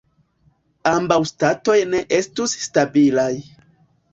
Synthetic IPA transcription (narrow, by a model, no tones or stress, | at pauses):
ambawstato̞jne̞ʔe̞stusːtabilaj